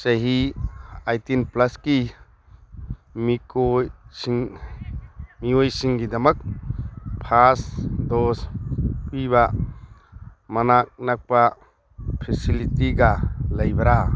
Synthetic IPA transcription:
sɐɦi | ajtinplaski | mikojsiŋ | miojsiŋɡidɐmɐk̚ | pʰasdɔspiβa | mɐnak̚nak̚pa | pʰesilitiɡalɐjbɐɾa

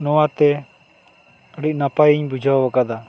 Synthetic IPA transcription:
nɔwat̪ɛ | əɽic̚napajiɲbud͡ʒʱabakad̪a

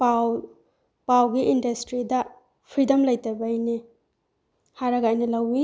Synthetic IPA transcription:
paw | pawɡiʔindɐstɾidɐ | pʰɾidɐmlɐjtɐbɐjne | haɾɐɡɐajnɐlɐwi

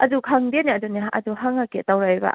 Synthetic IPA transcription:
ʔɐdukʰaŋbeniɐduniɐ̰duɦaŋaketawɾajba̰

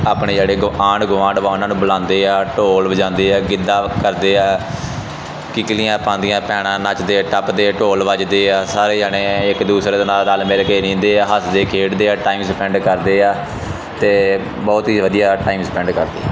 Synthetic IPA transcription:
aːpɳeːd͡ʒeːɽeːɡaːɳɡʊʋãːɖʋaːnãːnũːbəlãːnd̪eːɛːʈoːlbəd͡ʒãːnd̪eːɛːɡɪd̪aːkəɾd̪eːɛː | kɪklĩːãːpãːnd̪ɪjãːpɛːɽãːnat͡ʃd̪eːʈəpd̪eːʈoːlʋəd͡ʒd̪eːɛːsaːɾeːd͡ʒaːɽeːɪkd̪uːsɾeːd̪aːnaːaːlmeːlkeːnĩːnd̪eːaːɦəsd̪eːkʰeːʈd̪eːɛːʈaːiːmsəpɛ̃ːɳɖkəɾd̪eːaː | t̪eː | bɔːt̪iːʋəd̪ijaːʈaːiːmsəpɛ̃ːɳɖkəɾd̪ḛː

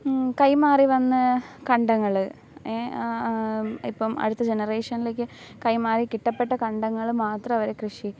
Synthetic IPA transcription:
kɐjmaːriʋɐnːɨkɐɳɖɐŋːɐɭɨ | e | ḭpːɐmɐ̰ɽut̪ːɐd͡ʑenɐre̞ːʂɐnile̞ːk̬ʲːɨ | kɐjmaːrikiʈːɐpːeʈːɐkɐɳɖɐŋːɐɭmaːt̪rɐɐʋɐɾe̞krɨʂi

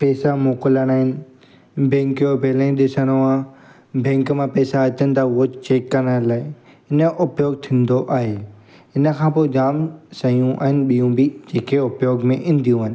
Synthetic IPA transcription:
pɛːsamoːkɪləɽ̃aːɦɪnɪ̆ | bɛ̃ːŋkjobʱeːlə̃ĩɗɪsəɽ̃oã | bɛ̃ːŋkmãpɛːsaɐt̪ənɪt̪aʊɦot͡ɕeːkːɐnə̃laːɪ | ɪnə̆ʔʊpjoːɡ̚t̪ʰĩːn̆d̪oʔaːɦe | ɪnə̆kʰãːpoːɡaːmsɐijũʔa̰ːɦɪnɪ̆ɓijũbɪd͡ʑeːkeʊpjoːɡmẽʔɪ̃nd̪ʱijũaɦɪ̃̆nɪ̆

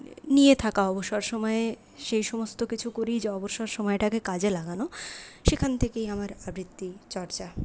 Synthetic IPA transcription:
nijet̪ʰakaɔboʃaɾʃɔmɔe | ʃejʃɔmost̪okit͡ɕʰukoɾijd͡ʑeɔboʃaɾʃɔmɔeʈakekad͡ʑelaɡanoʃekʰant̪ʰekejamaɾabɾit̪ːit͡ɕɔɾt͡ɕa

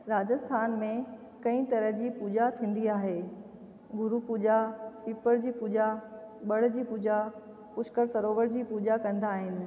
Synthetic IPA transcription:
ɾaːd͡ʑəst̪ʰaːnmẽ | kɐ̃ĩt̪ɐɾəɦd͡ʑiːpuːd͡ʑat̪ʰĩːn̆d̪iaːɦeː | ɡʊɾupuːd͡ʑapiːpəɽd͡ʑiːpuːd͡ʑa | ɓɐɽ̤̆d͡ʑiːpuːd͡ʑa | pʊʃkəɾsɐɾoːʋəɽd͡ʑiːpuːd͡ʑakɐ̃nd̪aːɦɪnɪ̆

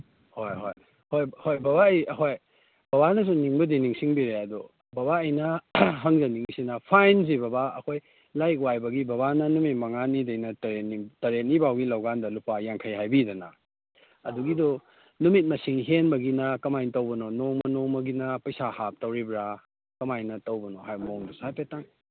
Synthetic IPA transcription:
hojɦo̰j | hojhojbɐβaɐjɦoj | b̥ɐbanɐs̬uniŋbɐdiniŋsiŋbiɾeadɔ | bɐβaɐjnɐɦɐŋzɐniŋsinɐpʰajnzibɐbaɐ̰kʰoj | lajk̬wajbɐɡibɐβanɐnumit̚mɐŋanidɐjnɐtɐɾet̚nitɐɾet̚nibawɡilɐwɡandɐlupajaŋkʰɐjɦajbidɐnɐ | ɐduɡidɔ | numit̚mɐsiŋɦenbɐɡinɐkɐmajntɐwbɐnɔnoŋmɐnoŋmɐɡinɐpɐjsahap̚tɐwɾibɾa | kɐmajnɐtɐwbɐnɔɦajmoŋdɔsajpetaŋ

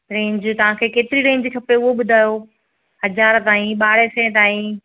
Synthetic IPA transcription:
ɾẽːɲd͡ʑt̪ɐʋ̤ãkʰeːkeːt̪ɪɾiɾẽːɲd͡ʑkʰɐpeʊɦoɓʊd̪ʱaːjo | hɐzaːɾt̪aːĩɓaːɽ̤esɛ̃ːt̪aːĩ

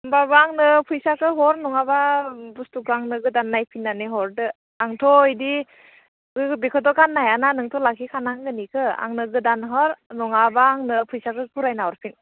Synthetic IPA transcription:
babaːŋnɯpʰujsakʰɯɦɔɾnɔŋababustukʰɯaŋnɯɡɯdanːajpʰinːaneɦɔɾdɯ | aŋtʰɔidi | ɡɯbikʰɔtɔkanːajananɯŋtʰɔlakʰikʰanaŋɡɯnikʰɯa̰ŋnɯɡɯdanɦɔɾnɔŋabaːŋnɯpʰujsakɯkʰuɾajnaɔɾpʰin

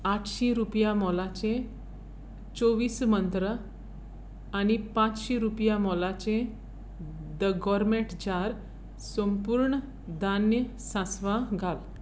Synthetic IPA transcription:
aʈʰɕiɾupjamɔlat͡ɕẽ | t͡soʋiːsmənt̪ɾə | añipãt͡sɕiɾupjãmɔlat͡ɕẽ | d̪əɡɔɾmeɳʈd͡ʑaɾ | səmpuːɾɳə | d̪anjə | sãsʋãɡʱal

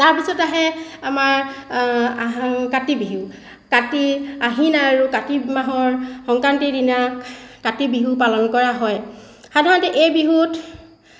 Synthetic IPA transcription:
taɹpisɔtaɦɛamaɹ | akatibiɦu | katiaɦinaːɹukatimaɦɔɹxɔŋkɹantidinakatibiɦupalɔnkɔɹaɦɔj | xadʱaɹɔntɛʔejbiɦut

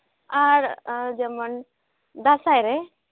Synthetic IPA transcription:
aɾd͡ʒemən | d̪asajɾe

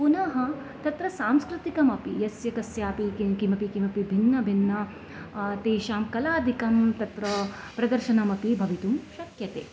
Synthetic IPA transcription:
punɐɦɐ̆ | t̪ɐt̪ɾɐsaːmskɾɪt̪ikɐmɐpijɐsjɐkɐsjaːpikikimɐpikimɐpibʱinːɐbʱinːɐ | t̪eːʃaːmkɐlaːd̪ʱikɐmt̪ɐt̪ɾɐ | pɾɐd̪ɐɾʃɐnɐmɐpibʱɐʋit̪umʃɐkjɐt̪ḛː

